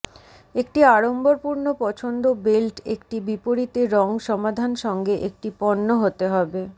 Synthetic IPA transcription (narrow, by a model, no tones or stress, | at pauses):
ekʈiaɾomboɾpuɾnopɔt͡ɕʰond̪obelʈḛkʈibipoɾit̪eɾɔŋʃɔmad̪ʱanʃɔŋɡeʔek̚ʈipɔnːoɦot̪eɦɔbe